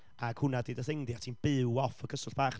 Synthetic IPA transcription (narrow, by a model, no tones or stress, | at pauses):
aɡ̥hʊnadiːdəθeŋdjatʰiːnb̥ɨwɔfəkʰəsʊɬb̥aːχ